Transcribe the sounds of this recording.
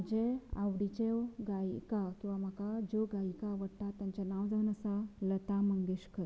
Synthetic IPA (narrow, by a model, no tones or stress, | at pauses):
d͡ʑea̰ʋɽit͡ɕewɡaikakĩw̃ʋam̤akad͡ʑoɡaikaʋəɽʈ̪at̪ːjãɲt͡ɕanaʋd͡zaʋənəsalət̪aməŋɡeɕkʰəɾ